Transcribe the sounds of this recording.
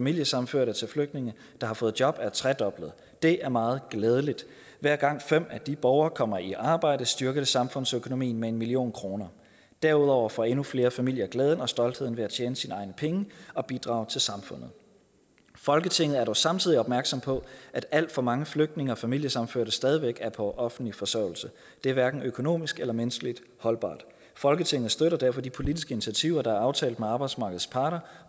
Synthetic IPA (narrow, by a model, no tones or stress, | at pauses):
fæmil̰jəsɑ̈m̩føɐ̰ɾət͡sʰe̝lfløɡ̥d̥ne̝ŋə | d̥ɑ̈hɑ̈fɔ̽ːð̞̩ˠd̥jɒ̽b̥æɐt͡sʰʁɛd̥ɒ̽b̥lð̩ˠ | d̥e̝ʔæɐmɑ̈ːð̞̩ˠɡ̥lɛːð̞ˠəlid̥ | ʋæɐ̰ɡ̥ɑ̈ŋ̰fem̰æd̥ib̥ɒʊɐːkʰɒ̽m̰ɐiʔɑ̈ːb̥ɑ̈ɪ̰ɾ̥əsd̥yɐɡ̥əðˠəsɑ̈mfɔ̽n̰søkʰo̝no̝mḭːn̩mee̝nmilio̝̰ːnkʰʁo̝ːnɐ | d̥æɐuð̞̰ˠɒʊ̰ɐfɒ̽e̝nufle̝ːɐfæmil̰jɐɡ̥lɛːð̞ˠn̩ɒ̽sd̥ɒ̽ld̥he̝ð̞̰ˠn̩ʋe̝æt͡ɕʰjeːnəsinɑ̈ɪnəpʰeŋəɒ̽b̥id̥ʁɑ̰̈ʊt͡sʰe̝lsɑ̈mfɔ̽n̰ð̞̩ˠ | fɒ̽lɡ̥ət͡sʰe̝ŋ̰ð̩æɐɾɒʊsɑ̈mt͡sʰið̞̰ˠiɒ̽b̥mæɐɡ̥sɒ̽mpʰɒ̽ʔæd̥æl̰d̥fɒ̽mɑ̈ŋəfløɡ̥̚d̥ne̝ŋɐɒ̽fæmil̰jəsɑ̈mføɐ̰ɾ̥əsd̥ɛːð̞ˠiʋeɡ̥æɐpʰɒ̽ʔɒ̽fn̩lifɒ̽sœɐʊ̰l̩sə | d̥e̝æɐʋæɐɡ̥n̩økʰo̝no̝̰ːmisɡ̥elɐmensɡ̥əlid̥ | hɒ̽lb̥ɑ̰̈ːd̥ | fɒ̽lɡ̥ət͡sʰe̝ŋ̰ð̩ˠsd̥øɾɐd̥æɐ̰fɒ̽d̥ipʰo̝lidisɡ̥əinit͡sʰiæt͡sʰiʊ̰ɐd̥ɑ̈æɐɑ̈ʊt͡sʰɛ̰ːld̥meɑ̈ːb̥ɑ̈ɪd̥smɑ̈ːɡ̥ð̩ˠspʰɑ̈ːɾ̥ɐ